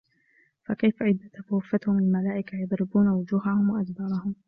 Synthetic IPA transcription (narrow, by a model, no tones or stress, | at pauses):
fakajfaʕɪd̪ːat̪afʊːfːat̪hʊmɪalmalaːʔɪkajɑd̪ˤɾɪbuːnawʊd͡ʒuːɦahʊmwaʔad̪bɑːɾˤɑhʊm